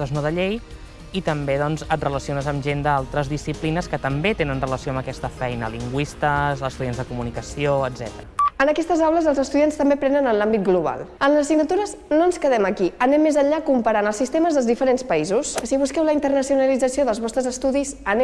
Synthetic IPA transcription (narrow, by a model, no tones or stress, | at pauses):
əznoðəʎej | it̪əmbeðɔnzət̪̚rələsionəzəmʒend̪əalˠt̪ɾəzðisiplinəskət̪əmbet̪enənrələsioəmbəkɛst̪əfɛjnəliŋɡwist̪əzəst̪uðjanzðəkumunikəsioəd̪zɛt̪əɾəənəkɛst̪əzawləzəlˠzəst̪uðianst̪əmbepɾɛnənənlambit̪̚ɡluβ̞a̰lˠənləzsiɡnət̪uɾəznoənskəðɛməkiənɛmːezəɲʎakumpəɾanəlˠsist̪eməzðəlˠzðifəɾenspəizussiβ̞uskɛwləint̪ərnəsiunəlid͡zəsioðəlˠzβɔst̪ɾəzəst̪uðizənɛ